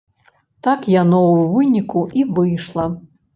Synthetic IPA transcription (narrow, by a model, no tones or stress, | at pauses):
t̪akjanɔwvɨnʲikuʔivɨjʂlˠɐ